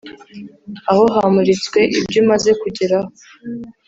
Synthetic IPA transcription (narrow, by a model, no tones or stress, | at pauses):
aho̞ɦamuɾit͡skwe̞ʔibɟumaze̞kuɟiɾaho